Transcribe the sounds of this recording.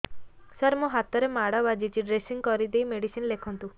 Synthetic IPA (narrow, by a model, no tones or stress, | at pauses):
səɾmɔɦat̪ɔɾemaɽabad͡ʒit͡ʃʰiɖɾesiŋkɔɾid̪ejmeɽisinlekʰɔnt̪u